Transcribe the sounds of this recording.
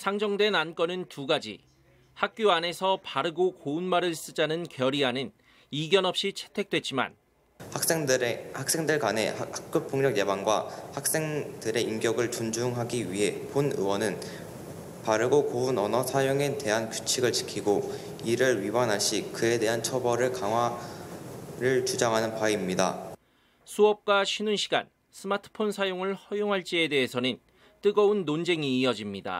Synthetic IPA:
sʰaŋd͡ʑʌŋdwe̞nank͈ʌnɯntuɡad͡ʑḭ | hak̚k͈joane̞sʰʌpaɾɯɡokounmaɾɯɭs͈ɯd͡ʑanɯnkjʌɾiɦanɯn | iɡjʌnʌp̚ɕ͈it͡ɕʰe̥tʰwe̞k̚t͈we̞t̚t͡ɕ͈ima̰n | hak̚s͈e̞ŋdɯɭɡane̞̰hak̚k͈upʰoŋɲʌkjebaŋɡwahak̚s͈eŋd̥ɯɾe̞imɡjʌɡɯɭt͡ɕund͡ʑuŋɦaɡiɥiɦe̞ponɯ̰wʌnɯn | paɾɯɡokounʌnʌsʰajoŋe̞te̞ɦankjut͡ɕʰiɡɯɭt͡ɕi̥kʰiɡo | iɾɯɭɥibanɦaɭɕ͈ikɯe̞de̞ɦant͡ɕʰʌbʌɾɯɭkaŋɦwa | ɾɯɭt͡ɕud͡ʑaŋɦanɯnpaimɲida̰ | sʰuʌp̚k͈waɕʰinunɕʰiɡa̰n | sʰɯmatʰɯ̥pʰonsʰajoŋɯɭhʌjoŋɦaɭt͡ɕ͈iede̞ɦesʰʌnɯn | t͈ɯɡʌunːond͡ʑeŋiːʌd͡ʑimɲida̰

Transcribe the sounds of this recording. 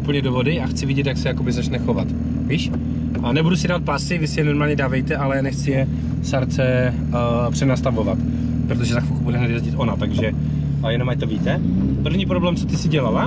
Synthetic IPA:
ʔupl̩ɲɛdovo̞dɪaxt͡sɪvɪɟɛt̪jaksɛjako̞bɪzat͡ʃnɛxo̞vat̪ | viːʃ | ʔnɛbudusɪdaːat̪̚pasɪvɪsɪjɛno̞ɾmaːlɲɛdaːvɛjt̪ɛʔalɛnɛxt͡sɪjɛ | saɾt͡sɛ | pr̝̥ɛnast̪avovat̪ | pɾot̪oʒɛzaxfuxubudɛɦnɛt̪jɛzɟɪt̪ʔo̞nat̪aɡʒɛ | jɛnomajt̪oviːt̪ɛ | pr̩vɲiːpɾo̞blɛːmt͡sot̪ɪsɪɟɛlala

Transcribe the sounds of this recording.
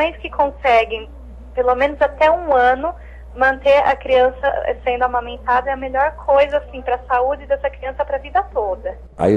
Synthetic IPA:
õj̃skɪkʰõsɛɡẽj̃ | pelomẽnʊzat̪ɛũɐ̃nʊ | mɐ̃nt̪eɾɐ̰kɾiɐ̃sɐɛ̰sẽnd̪ʊamɐ̃mẽnt̪ad̪ɐɛɐmeʎɔɾkʰojzɐasĩpɾɐsaud͡ʒɪd̪ɛsɐkɾiɐ̃sɐpɾɐvid̪ɐt̪od̪ɐ | a̰i

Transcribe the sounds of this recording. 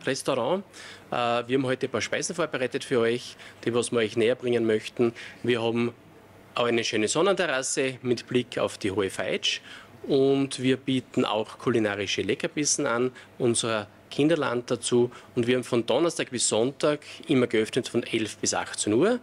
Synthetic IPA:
ʁɛstoʁɑ̃ːʔaviɐhabm̩ɦɔʏtəpaːɐʃpæɪzn̩foːɐbəʁæɪtətfyːɐɔʏçd̥iːɔsmiɐɔʏçneːɐb̥ʁɪŋənmœçtn̩viːɐɦɑːbm̩ | ʔaʊxæɪnəʃøːnəsɔnəntɛʁasəmɪtb̥lɪkʰa̰ʊfd̥iːɦoːəfaɪt͡ʃʊntviːɐbiːtn̩a̰ʊxkʰulinaːʁɪʃəlɛkɐpɪsn̩anʔʊnzəʁə | kʰɪ̃ndɐla̰nt̚d̥at͡suːʊndviɐaːbm̩fɔndɔnɐstaːk̚b̥ɪsːɔntaːɡʔɪmːɐɡəœfnətfɔnɛlfb̥ɪsa̰xt͡senuːɐ

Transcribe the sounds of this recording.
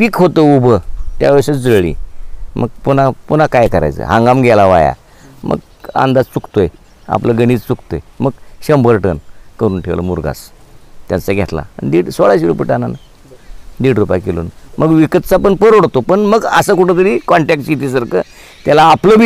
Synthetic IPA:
pikɦot̪əubʱət̪ja̰ʋəɾɕad͡zəɭḭmʔəɡpunapunakajkəɾa̰jt͡sə̰ɦãŋɡamɡʱɛlaʋaja̰ | mə̰ɡ | ã̰nd̪ad͡zt͡sukt̪oe | a̰pləɡəɽ̃it͡st͡sukt̪ojməɡɕəmbəɾʈənkəɾuːnʈʰeʋlə̰muɾɡa̰st̪jant͡saɡʱet̪la̰nd̪iɽsoɭaɕiɾupiʈanana | d̪iːɽɾupjakelṵːnmʔəɡʋikət̪̚t͡sapəɳpəɾoɽt̪opəɳməɡəsəkuʈʰət̪̬əɾiːkɔɳʈɛk̚ʈɕit̪isəɾkə̰ | t̪jalaːpləbi

